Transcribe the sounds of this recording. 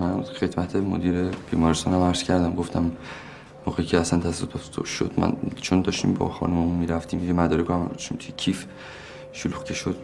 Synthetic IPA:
mænxe̞d̪mæt̪ʰemo̰d̪iːɾeb̥iːmɒːɾest̪ɒːnæmæɾz̥kcʰæɾd̪æmɡo̞ft̪æmː | oːɣecʰeæsænt̪ʰæssot̪ʰot̪t̪ʰo̰ʃo̰d̪mæ̰nt͡ʃʰond̪ɒːʃt̪ḭːmbɒ̰xɒ̰numeumiːɾæft̪iːmjemæd̪ɒːɾekoæmʃmt̪ʰujecʰif | ʃoluːxkʰeʃod̪̥̚

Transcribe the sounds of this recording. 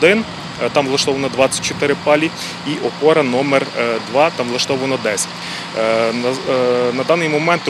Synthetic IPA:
d̪ɪn | t̪ɑmlˠɐʃt̪ɔʋɐnɐd̪ʋɑt͡sʲːɐ̥t̚ʲt͡ʃɔt̪ɪɾɪpɑlʲi | iʔɔpɔɾɐnɔmɛrd̪ʋɑt̪ɑmlˠɐʃt̪ɔʋɐnɐd̪ɛsʲɐ̥t̪ʲ | nɐd̪ɑnɪjmɔmɛnt̪

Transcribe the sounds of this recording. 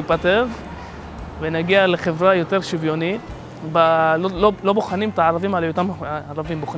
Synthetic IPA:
ipat̪ev | venaɡiale̞χe̞vʁajo̞t̪e̞ʁʃivjo̞ni | ballolo̞boχanimt̪aʕaʁavimalajot̪amaʁavimboχn

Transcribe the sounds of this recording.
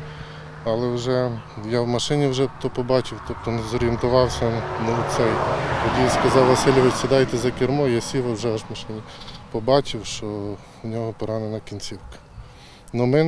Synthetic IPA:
alˠɛwʐɛjawmɐʃɪnʲɪwʒɛt̪ɔpɔbɑt͡ʃɪwt̪ɔp̚t̪ɔnɛzɔɾʲjent̪ʊʋɑwsʲɐnɔt̪sɛjt̪ɔdʲijaskɐzɑwʋɐsʲɪlʲɔʋɪt͡ʃsɛd̪ajt̪ɛzɐkʲɪɾmɔjasʲiʋɐwʒɛaʂmɐʃɪnʲipɔbɑt͡ʃɪwʃɔ | nʲɔɦɔpɔɾanɪnɐkʲinʲt͡sʲiwkɐ̥ | nɔmɛn

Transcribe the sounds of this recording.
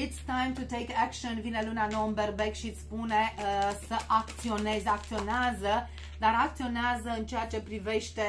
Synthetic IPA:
it̪st̪ãjmt̪ut̪ejkækʃonvine̞lunanoəmberbekʃiɨt̪sʲpune̞səʔak̚t̪sio̞ne̞zəak̚t̪sio̞neazə | d̪aɾak̚t̪sio̞neazəɨnt͡ʃejat͡ʃe̞pɾive̞ʃt̪e̞

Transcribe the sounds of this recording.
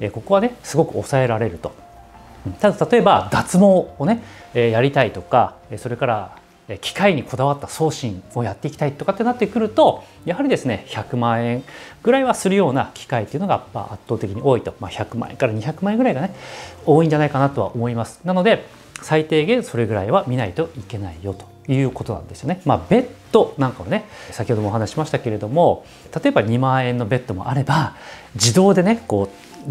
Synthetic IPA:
eːko̞ko̞β̞ane̞sɨɡo̞kɯ̟o̞̰sae̞ɾaɾe̞ɾɯ̟t̪o̞̥ | ɯ̃ɴt̪ad̪at̪at̪o̞e̞bad̪at͡sɨmo̞ːne̞eːjaɾʲit̪ait̪o̞ka | eːso̞ɾe̞kaɾa | eːkʲʰi̥kaiɲ̟iko̞d̪aβat̪ːaso̞ːɕĩŋo̞jat̪ːe̞ikʲi̥t̪ait̪ːo̞kat̪ːe̞nat̪ːekɯ̟ɾɯ̟t̪o̞ | jahaɾʲid̪e̞sɨne̞çakɯ̟mãːẽ̞ŋɡ̥ɯ̟ɾaiβasɨɾɯ̟jo̞ːna̰kʲi̥kait̪ːe̞ɯ̟noɡapːa̰a̰t̪ːoːt̪ekʲiɲio̞ːit̪o̞maçakɯ̟mã̰ẽŋkaɾaɲ̟içakɯmãẽŋɡɯ̟ɾaiɡane̞o̞ːĩɲ̟d͡ʑanaikanat̪o̞βa̰ʔomo̞imasɨ̥nano̞d̪e̞ | sait̪e̞ːɡẽ̞ɰ̃so̞ɾe̞ɡɯ̟ɾaiβamʲinait̪o̞ike̞naijo̞t̪o̞̥ | jɯ̟ːko̞t̪o̞nã̰nd̪e̞sɨjo̞nemaːbe̞t̪ːo̞nãŋkaβane̞sakʲi̥ho̞d̪o̞moɦanaɕi̥ɕimaɕi̥t̪ake̞ɾe̞d̪o̞mo̞ | t̪at̪o̞e̞baɲ̟imãːẽ̞nːo̞be̞t̪ːo̞mo̞̰ʔaɾe̞bad͡ʑid̪o̞ːd̪e̞ne̞ko̞ː

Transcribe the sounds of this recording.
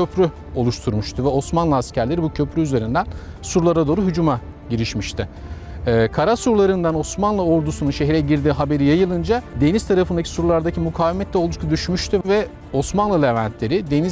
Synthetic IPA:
øpʰɾy | o̞lˠuʃt̪ʰuɾmuʃt̪ʰuvɛo̞smanlˠɯascʰæɾlʲe̞ɾibucʰø̞pʰɾyyze̞ɾind̪æn | suɾlˠaɾad̪o̞ːɾuɦyd͡ʒuma | ɟiɾiʃmiʃt̪ʰɪː | kʰaɾasuɾlˠaɾɯnd̪ano̞smanlˠɯo̞ɾd̪usununʃeçɾɛɟiɾd̪iːɦabe̞ɾijajɯlˠɯnd͡ʒad̪e̞nizt̪ʰaɾafɯnd̪acʰi̥suɾlˠaɾd̪acʰimukʰaːvemɛt̪lʲɛo̞lˠd̪ukt̪ʰud̪yʃmyʃt̪ʰyvɛ | o̞smanlˠɯlevænt̪lʲe̞ɾid̪e̞ni

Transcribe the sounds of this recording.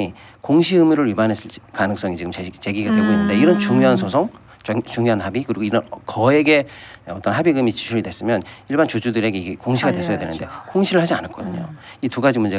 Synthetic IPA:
i | koŋɕ̬ʰiɯmuɾɯɾɥibanes͈ɯɭt͡ɕ͈i̥kanɯŋs͈ʌŋit͡ɕiɡɯmet͡ɕe̞ɡiɡadwe̞ɡoinːɯnde̞iɾʌnt͡ɕuŋjoɦansʰosʰoŋ | t͡ɕuŋjoɦanɦabikɯɾiɡoiɾʌnkʌe̞ɡe̞ʌt͈ʌnɦabiɡɯmit͡ɕi̥t͡ɕʰuɾidwe̞s͈ɯmjʌniɭbant͡ɕod͡ʑudɯɾe̞ɡe̞iɡekoŋɕʰiɡadwe̞s͈ʰʌjadwenɯnde̞koŋɕʰiɾɯɭhad͡ʑia̰nak͈ʌdɯɲo̰ | ituɡad͡ʑimund͡ʑe

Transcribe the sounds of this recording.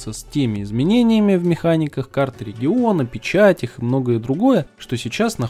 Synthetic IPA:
səsʲtʲemʲɪɪzmʲɪnʲenʲɪjəmʲɪvmʲɪxanʲɪkəxkart̪əɾʲɪɡʲɪo̞nəpʲɪt͡ɕatʲɪxɨmno̞ɡəjəd̪ɾʊɡo̞jəʂt̪o̞sʲɪt͡ɕasnɐ

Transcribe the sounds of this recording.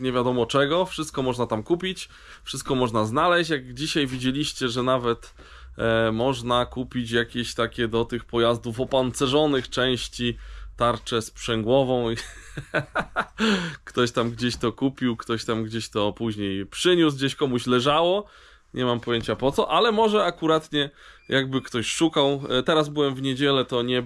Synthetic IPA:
ɲɛvʲjad̪ɔmɔt͡ʂɛɡɔfʂɘst̪̚kɔmɔʐnat̪amkupʲit͡ɕ | fʂɘst̪̚kɔmɔʐnaznalɛɕt͡ɕjaɡd͡ʑiɕajvʲid͡ʑelʲiɕt͡ɕɛʐɛnavɛt̪ | mɔʐnakupʲit͡ɕjakʲeɕt̪akʲɛd̪ɔt̪ɘxpɔjazd̪ufɔpant̪sɛʐɔnɘxt͡ʂɛ̃w̃ɕt͡ɕit̪aɾt͡ʂɛspʂɛŋɡwɔvɔ̃w̃ | kt̪ɔɕt̪amɡd͡ʑeɕt̪ɔkupʲiwkt̪ɔɕt̪amɡd͡ʑeɕt̪ɔpuʑɲejpʂɘɲuzɡd͡ʑeɕkɔmuɕlɛʐawɔ | ɲɛmampɔjeɲt͡ɕapɔt̪sɔʔalɛmɔʐɛakuɾat̪ɲɛjʔaɡ̚bɘkt̪ɔɕʂukawt̪ɛɾazbɘwɛmvɲed͡ʑɛlɛt̪ɔɲɛ

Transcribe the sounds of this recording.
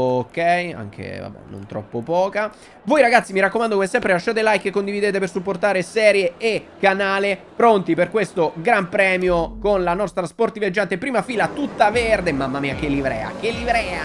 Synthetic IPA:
okːɛja̰ŋk̟ʰḛva̰bɛ̰no̰nt̪ɾɔ̰pːopɔːka | vojɾaɡat̪sːimiɾakːomand̪okomesːɛmpɾelaʃːaːt̪elajkːekːond̪ivid̪eːt̪epersupːort̪aːɾesɛːɾjeːkːanaːlepɾont̪iperkwest̪oɡɾampɾɛːmjokonlanɔst̪ɾasport̪ivjad͡ʒːant̪epːɾiːmafiːlat̪ut̪ːaverd̪emamːamiːak̟elːivɾɛ̰ːa̰k̟elːivɾɛːa

